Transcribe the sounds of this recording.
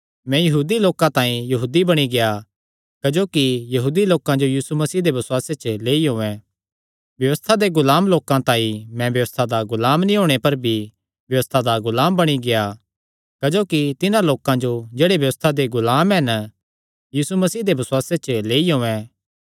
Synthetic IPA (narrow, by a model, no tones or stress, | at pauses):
mɛ̃jɐɦuːd̪iloːkãt̪ãːĩjɐɦuːd̪ibɐɽ̃iɡeja | kɐd͡ʒoːkijɐɦuːd̪iloːkãd͡ʒojiːsumɐsiːd̪ebɐswaːset͡ʃəleːiɦõːɛ̃ | bjɐʋəst̪ʰad̪eɡʊlaːmloːkãt̪ãːĩmɛ̃bjɐʋəst̪ʰad̪aɡʊlaːmnĩɦõːɽ̃epɐɾbʱi | bjɐʋəst̪ʰad̪aɡʊlaːmbɐɽ̃iɡeja | kɐd͡ʒoːkit̪ɪnãloːkãd͡ʒod͡ʒeːɽebjɐʋəst̪ʰad̪eɡʊlaːmɦɛn | jiːsumɐsiːd̪ebɐswaːset͡ʃəleːiɦõːɛ̃ː